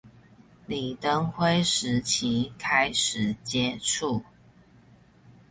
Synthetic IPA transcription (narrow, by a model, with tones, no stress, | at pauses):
li˨˩t̪ə˥ŋxwe˥ɪʂɻ̩˧˥t͡ɕʰi˧˥˦kʰa˥ɪʂɻ̩˨˩t͡ɕjɛ˥ʈ͡ʂʰu˥˩